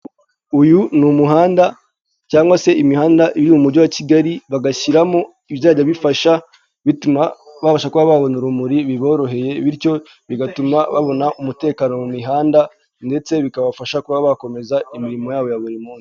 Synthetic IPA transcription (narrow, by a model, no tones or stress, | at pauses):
ujunumuɦaːnda | caːŋɡwase̞ʔimihaːndaʔiβiiumuɾɟowaciɡaɾiβaɡaçiɾamo̞ | iβjaːɟaβifaʃa | βitumaβafaʃakuβaβaβonuɾumuɾiβiβo̞ːɾo̞ɦe̞je̞βiɾco̞ | βiɡatumaβaβo̞naʔumute̞ːkaːno̞mumiɦaːnda | nde̞t͡se̞βikaβafaʃakuβaβako̞me̞zaimiɾimo̞jaːβo̞jaβuɾimuːns